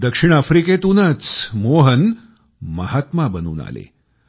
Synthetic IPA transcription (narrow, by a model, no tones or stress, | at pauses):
d̪əkʂiɳ̃afɾiket̪unət͡smoɦən | məɦat̪mabənṵːna̰lḛ